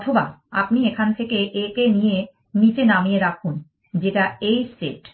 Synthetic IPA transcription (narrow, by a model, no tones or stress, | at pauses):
ɔt̪ʰoba̰a̰pniekʰant̪ʰekeʔekenije | nit͡ɕenamieɾakʰun | d͡ʑeʈaejseʈ